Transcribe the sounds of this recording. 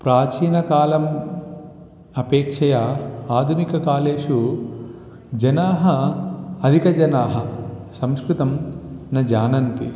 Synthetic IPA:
pɾaːt͡ʃiːnɐkaːlɐm | ɐpeːkʂɐjɐaːd̪ʱunikɐkaːleːʂu | d͡ʒɐnaːɦɐɐd̪ʱikɐd͡ʒɐnaːɦɐsɐ̃mskɾut̪ɐmnɐd͡ʒaːnɐnt̪ḭ

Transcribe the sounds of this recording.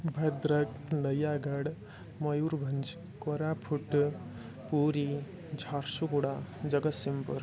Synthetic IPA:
bʱɐd̪ɾaɡlʌjaɡaɽ | mʌjuɾbʱʌnd͡ʒi | koɾapʰuʈ | puɾi | d͡zʱaɾsukuɽad͡zʌɡʌsimpṵɾ

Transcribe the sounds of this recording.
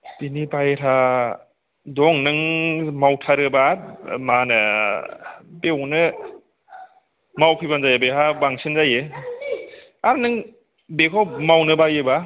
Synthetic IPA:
tinipajɾa | dɔŋnɯŋmawtʰaɾɯbamanɯ | bewnɯ | mawpʰibanzajebehabaŋsʰinzaje | aɾnɯŋ | bekʰɔwmawnɯbajeba

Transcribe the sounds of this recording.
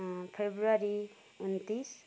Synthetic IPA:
pʰebɾuaɾi | unt̪is

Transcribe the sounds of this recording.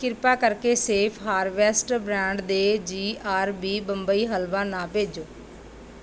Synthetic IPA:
kɪɾpaːkəɾkeːseːpʰɦaːɾʋɛːsʈbɾɛ̃ːɳɖd̪eːd͡ʒiːaːɾbiːbəmbəiːɦəlʋãːnãːpeːd͡ʒoː

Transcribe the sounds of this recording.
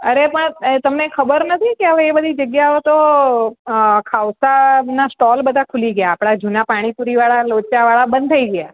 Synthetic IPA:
ə̰ɾepəɳt̪əmnekʰəbəɾnət̪ʰikeɦəʋeːbəd̪ʱid͡ʒəɡjaot̪o | kʰaʋsanasʈɔlbəd̪ʱakʰuliɡəjaːpɽ̃ad͡ʒunapaɽ̃ipuɾiʋaɭalot͡ʃaʋaɭabə̃nd̪t̪ʰəiɡəja

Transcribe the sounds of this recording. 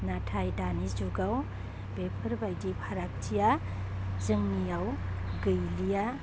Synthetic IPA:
natʰajdanizuɡaw | bepʰɐɾbajdipʰaɾak̚tʰija | zɯŋnijawɡɯjlija

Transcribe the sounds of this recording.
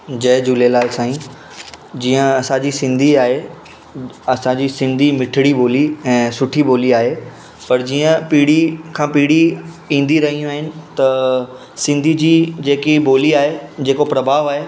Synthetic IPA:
d͡ʑɐːd͡ʑulelaːlsaːĩ | d͡ʑiːə̃ɐsãd͡ʑiːsɪ̃nd̪ʱiaːɦe | ɐsãd͡ʑiːsɪ̃nd̪ʱimɪʈʰɪɽiboːliɛ̃ːsʊʈʰiboːliaːɦe | pɐɾd͡ʑiːə̃piːɽikʰãːpiːɽi | ĩːn̆d̪iɾɐɦijũaːɦɪnɪ̆t̪ɐ | sɪ̃nd̪ʱid͡ʑiːd͡ʑeːkiboːliaːɦed͡ʑeːkopɾɐbʱaːʋaːɦe

